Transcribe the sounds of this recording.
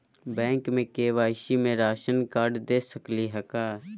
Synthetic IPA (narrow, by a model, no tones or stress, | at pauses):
bɛ̃ːŋkmẽkeːʋaːɪʃimẽɾaːʃənkaːɾɖd̪eːsəkliɦɛkaː